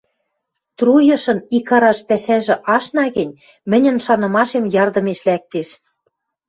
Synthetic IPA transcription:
t̪rujɤ̆ʃɤ̆nikɑɾɑʃpæʃæʒɘ̆ʔɑʃnɑɣɘ̆nʲ | mɘ̆nʲɘ̆nʃɑnɤ̆mɑʃemjɑrd̪ɤ̆meʃlæk̚t̪eʃ

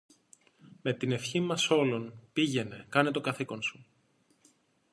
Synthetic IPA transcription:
me̞t̪ine̞fçimɐso̞lo̞npiʝe̞ne̞kɐnet̪o̞kɐθiko̞nsu̥

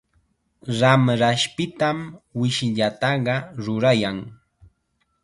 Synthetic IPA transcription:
ɾamɾaʃpɪt̪amwɪʃɪʎat̪ɑɢɑɾʊɾajaŋ

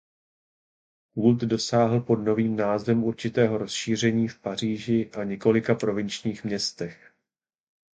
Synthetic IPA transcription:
ɦult̪do̞saːɦl̩po̞dno̞viːmnaːzvɛmuɾt͡ʃɪt̪ɛːɦo̞ɾo̞sʃiːr̝ɛɲiːfpar̝iːʒɪʔaɲɛko̞lɪkapɾo̞vɪnt͡ʃɲiːxmɲɛst̪ɛx

